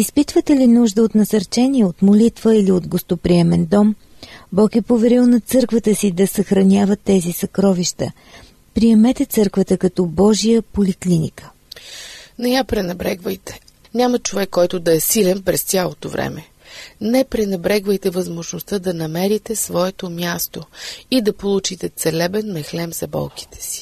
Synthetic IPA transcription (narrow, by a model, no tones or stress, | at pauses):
ispit̪vət̪ɛlinuʒd̪əot̪nɐsɐɾt͡ʃɛniɛot̪molit̪vəiliod̪ɡost̪opɾiɛmɛnd̪ɔm | bɔkɛpovɛɾilˠnɐt̪sɤɾkvət̪əsid̪ɐsɐxɾɐnʲavət̪ːɛzisɐkɾɔviʃt̪ə̰ | pɾiɛmɛt̪ɛt̪sɤɾkvət̪əkɐt̪ɔbɔʒijəpoliklinḭkə̥ | nɛjapɾɛnɛbɾɛɡvəjt̪ɛ̥ | ɲʲamɐt͡ʃovɛkːɔjt̪ʊd̪ɐɛsilɛnpɾɛst̪sʲjalˠot̪ovɾɛ̰mɛ | nɛpɾɛnɛbɾɛɡvəjt̪ɛvɐzmoʒnost̪əd̪ɐnɐmɛɾit̪ɛsvɔɛt̪omʲjast̪oid̪ɐpolˠut͡ʃit̪ɛt̪sɛlɛbɛnmɛxlɛmzɐbɔ̰lˠki̥t̪ɛ̥si̥